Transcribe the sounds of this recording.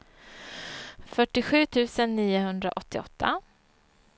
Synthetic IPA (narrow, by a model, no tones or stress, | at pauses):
fœʈːɪɧʉ̟ːt̪ʰʉ̟ːsənːiːʊɦɵnd̪ɾa̰ʔɔt̪ːɪɔ̰t̪ʰːa̰